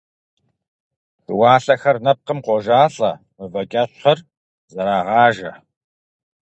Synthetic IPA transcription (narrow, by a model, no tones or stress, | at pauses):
tɨwɑːɬɐxɐrnɐp̚qəmqʷɔʒaːɬʼɐ | mɨvɐkʲʼɐɕχɐr | zɐɾaːʁɑːʒɐ